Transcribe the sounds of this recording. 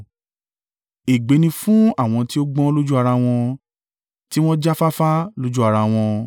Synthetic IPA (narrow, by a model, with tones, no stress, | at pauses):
e˨ɡ͡be˨˦nĩ˧fũ˦a˦˨w̃ɔ̃˧ti˦o˦ɡ͡bɔ̃˦lo˦d͡ʒu˦a˧ɾa˧w̃ɔ̃˧ | ti˦w̃ɔ̃˦d͡ʒa˦fa˦fa˦lo˦d͡ʒu˦a˧ɾa˧w̃ɔ̃˧